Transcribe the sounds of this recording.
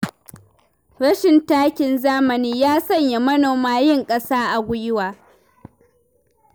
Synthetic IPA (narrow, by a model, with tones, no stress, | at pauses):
ɽɐ˦ʃɪ˨ntaː˦kʲɪ˨nzaː˦mɐ˨niː˦jaː˦sɐ˦˨ɲja˨mɐ˦noː˨maː˦jɪ˦˨ŋkʼɐ˦saː˦ʔa˨ɡʷʊ˦jɪ˦waː˨